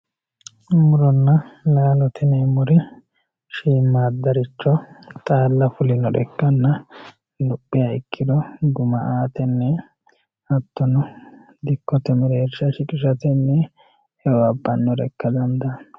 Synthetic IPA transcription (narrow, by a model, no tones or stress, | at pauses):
mʊɾɔnːɐlaːlɔt̪ɪnɛmʊɾɪ | ʃiːmːaːd̪ɐɾɪt͡ʃːɔt̪ʼaːlːɐfʊlɪnɔd̪ɛ̰kːɐnːɐ | lʊpʼːɪjɐɪkʰːɪd̪ɔɡʊmɐʔaːt̪ɛnːɛ | ɐt̪ːɔnɔ | d̪ɪkːɔt̪ɛmɪɾeːɾʃɐʃɪkʼɪʃɐt̪ɛnːɛ | hɛɔɐbːɐnːɔɾɛkːɐd̪ɐnd̪ɐ